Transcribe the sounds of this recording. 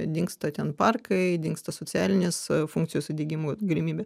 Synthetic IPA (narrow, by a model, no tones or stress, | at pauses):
d̪ʲɪŋkst̪ɐt̪ʲɛnpɐrkʰɐɪdʲɪŋkst̪ɐsoːt͡s̪ʲæːlʲɪnʲeːsfuŋkt͡ssʲɪjoːsɐd̪ʲeːɡʲimuːɡɐlʲɪmʲiːbʲeː